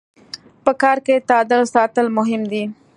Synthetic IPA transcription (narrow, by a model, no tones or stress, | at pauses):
pəkɑɾket̪ɑd̪əlsɑt̪əlmʊɦɪmd̪i